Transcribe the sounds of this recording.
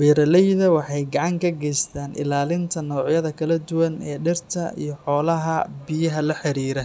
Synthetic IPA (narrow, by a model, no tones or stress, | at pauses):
bɛːɾɐlɛjðɐwɑħɑjɡɑʕɑŋkʰɐɡɛjst̪ʰaːnʔɪ̰laːlɪnt̪ʰɐnɔːʕjɐðɐkʰɐlɐd̪ʊwɐnɛːɖɪrt̪ʰɐḭjɞħɔːlɐɦɐbɪjɐɦɐlɐħɪɾiːɾɛ